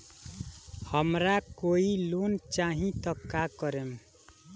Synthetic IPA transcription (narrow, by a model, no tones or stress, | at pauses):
həmɾakoilont͡ʃaɦĩt̪əkːakəɾem